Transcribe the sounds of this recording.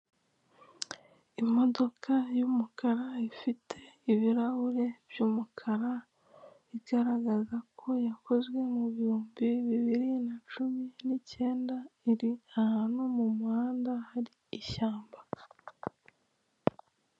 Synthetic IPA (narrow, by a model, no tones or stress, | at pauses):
imo̞do̞kʰajuːmukaɾaifitʰe̞iβiɾaβuɾe̞b̥juːmukʰaɾa | iɡaɾaɡazakʰo̞jako̞zɡwe̞muβiuːmbiβiβiɾinat͡ʃuminice̞ːndaiɾiahanumumuhaːndahaɾiːʃaːmba